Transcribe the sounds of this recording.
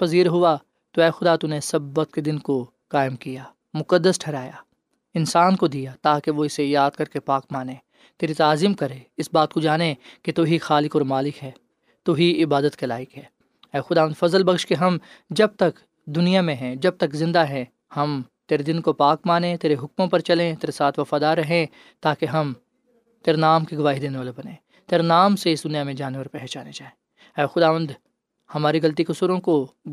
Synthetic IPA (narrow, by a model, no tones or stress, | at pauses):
pɐziːɾɦʊa | t̪oɛːxʊd̪at̪unesɐbːət̪̚ked̪ɪnko | kaːɪmkijaː | mʊkəd̪ːəsʈʰɛːɾaːja | ɪnsaːnkod̪ijat̪aːkeʋoɪsejaːd̪̚kɐɾkepaːkmaːneː | t̪eːɾit̪aːzimkɐɾeːɪsbaːt̪kod͡ʒaːneket̪oɦixaːlɪkɔːɾmaːlɪkɦɛː | t̪oɦiɪbaːd̪ət̪kelaːɪkɦɛː | ɛːxʊd̪aːənd̪fɐzəlbɐxʃkeɦɐmd͡ʒɐb̚t̪ɐk | d̪ʊnijamẽɦɛ̃d͡ʒɐb̚t̪ɐkzɪ̃nd̪aɦɛ̃ | hɐmt̪eːɾed̪ɪnkopaːkmaːnẽt̪eːɾeɦʊkmõpɐɾt͡ʃɐlẽt̪eːɾesaːt̪ʰʋɐfaːd̪aːɾːɐɦẽ | t̪aːkeɦɐm | t̪eːɾenaːmkeɡɐʋaːɦid̪eneʋaːlebɐnẽː | t̪eːɾenaːmseɪsd̪ʊnijamẽd͡ʒaːneʋɐɾpɛɦt͡ʃaːnet͡ʃaːɦe | ɛːxʊd̪aːʋə̃nd̪ | hɐmaːɾiɣɐlt̪̬ikʊsuːɾõko